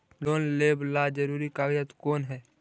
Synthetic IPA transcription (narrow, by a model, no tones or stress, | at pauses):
loːnleːblad͡ʒəɾuːɾikaːwijət̪koːnɦɛː